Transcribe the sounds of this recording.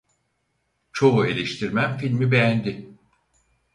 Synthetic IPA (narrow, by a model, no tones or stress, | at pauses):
t͡ʃʰo̞ue̞lʲeʃt̪ʰiɾmæmfilʲmibejænd̪ɪ